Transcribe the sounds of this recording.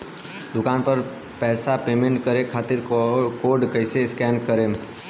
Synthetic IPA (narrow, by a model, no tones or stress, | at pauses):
d̪ʊkaːnpɐɾ | pɛːsapeːmẽɳʈkəɾekʰaːt̪ɪɾkoːɾɖkəɪseɪskɛːnkəɾeː